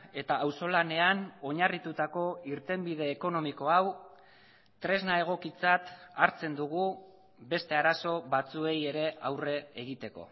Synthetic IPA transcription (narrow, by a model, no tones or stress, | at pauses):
e̞t̪aːwso̞lane̞ano̞ɲarit̪ut̪ako̞iɾt̪e̞mbiðe̞ːko̞no̞miko̞aw | t̪ɾe̞znae̞ɣ̞o̞kit͡sat̪aɾt͡se̞nd̪uɣu | be̞st̪e̞aɾaso̞βat͡sue̞je̞ɾe̞awre̞ːɣ̞it̪e̞ko̞̰